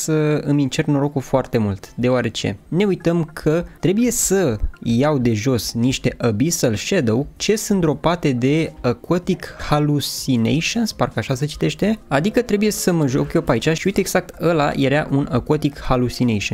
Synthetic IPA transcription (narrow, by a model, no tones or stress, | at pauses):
səɨmint͡ʃe̞rno̞ɾo̞kufoart̪e̞mult̪d̪e̞oaɾe̞t͡ʃe̞̰ne̞ujt̪əmkʰət̪ɾe̞buje̞səjawd̪e̞ʒo̞sniʃt̪e̞ʔəbisəlʃed̪owt͡ʃe̞sɨnt̪ɾo̞pat̪e̞d̪e̞əkot̪ikhalusinḛjʃonsparkəaʃasət͡ʃi̥t̪e̞ʃt̪e̞ad̪ikət̪ɾe̞buje̞səməʒo̞̰kjo̞pait͡ʃaʃiujt̪eeɡz̥ak̚t̪əla̰jeɾaʔunəkot̪ikhalusinejʃon